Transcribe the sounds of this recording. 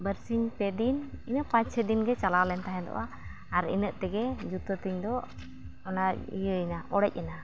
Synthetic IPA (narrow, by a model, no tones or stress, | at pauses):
bəɾsiɲpɛd̪ininəʔpãt͡ʃsɛd̪inɡɛt͡ʃalawlɛnt̪aɦɛ̃d̪ɔ̰waː | ɾḭnəʔt̪ɛɡɛd͡ʒut̪ɔt̪iɲd̪ɔ | ɔnaḭjəjnaʔɔɽɛc̚ˀɛna